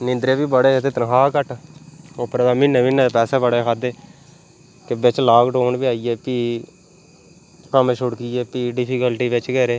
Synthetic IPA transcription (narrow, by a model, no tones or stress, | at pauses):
nɪ̃nd̪ɾeːbiːbəɽeːt̪eːt̪ənɦaːkəʈoːpəɾbɛːmɪnːẽːminːɛ̃ːpɛːsɛːbəɽeːkʰaːd̪eː | kɪbɪt͡ʃlaːkɖoːɳbiːaːiɛːpiː | kəmeʃʊɽkiːɛːpiːɖɪpʰikəlʈiːʋɪt͡ʃkəɾeː